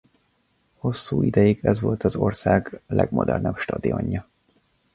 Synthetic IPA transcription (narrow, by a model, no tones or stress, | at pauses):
ho̞sːuːid̪ɛjiɡɛzʋo̞lt̪ɒzo̞rsaːɡlɛ̰ɡmo̞d̪ɛrnɛpʃt̪ɒd̪io̰ɲːɒ